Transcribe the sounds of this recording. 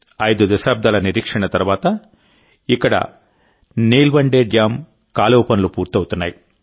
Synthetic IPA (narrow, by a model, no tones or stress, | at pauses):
ɐjd̪ud̪ɐsaːb̚d̪aːlɐniɾiːkʂɐɳɐt̪ɐɾuʋaːt̪ɐ | ikːɐɽɐ̰ | niːlbɐɳɖeːɖjaːm | kaːloːpɐnulupuːɾt̪ɐwut̪unːaːji